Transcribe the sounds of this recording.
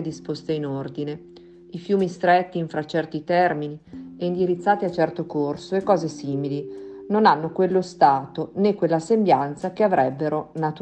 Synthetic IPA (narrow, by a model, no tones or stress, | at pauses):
d̪ispost̪einord̪ine | ifjuːmist̪ɾɛt̪ːiːɱfɾat͡ʃɛrt̪it̪ɛrminiɛind̪iɾit̪sːaːt̪iat͡ʃːɛrt̪okorsoekːɔːzesiːmilinonanːokwelːost̪aːt̪onekːwelːaːsembjant̪sakeavɾʔɛbːeɾonat̪u